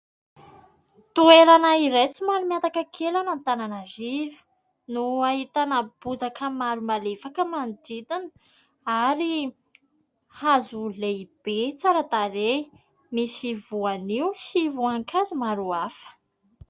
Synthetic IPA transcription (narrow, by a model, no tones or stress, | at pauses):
t̪uelanaiɾesumaɾumiant̪akəkʰelanant̪ananazivu̥ | nuaɦit̪anəb̥uzakəmaɾumalefakəmandid̪an | aɾi | hazuleib̥et͡saɾad̪aɾe | misivuaniwsivuaŋkʰazumaɾuafə̥